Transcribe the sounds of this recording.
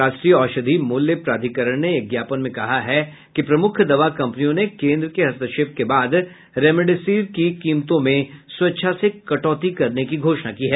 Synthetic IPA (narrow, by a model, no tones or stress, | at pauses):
aːʃʈɾiɔːʃəd̪ʱimʊljəpɾaːd̪ʱikəɾəɽ̃neɐɡjaːpənmẽkɐɦaɦɛ | kipɾɐmʊkʰd̪ɐʋakɐ̃mpənijõnekẽːnd̪ɾəkeɦɐst̪əʃeːp̚kebaːd̪ | ɾɛːmeɖesiːɾkikiːmt̪õmẽswɐtːʃʰasekɐʈɔːt̪ikɐɾnekiɡʱoːʃnakiːɦɛː